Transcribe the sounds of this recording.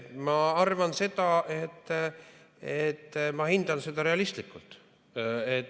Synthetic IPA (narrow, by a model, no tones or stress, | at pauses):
mɑɑrvɑnse̞d̪̥ɑʔe̞t̪ː | et̪ːmɑhind̪̥ɑnse̞d̪̥ɑɾe̞ɑlist̪likːult̪ | et̪ː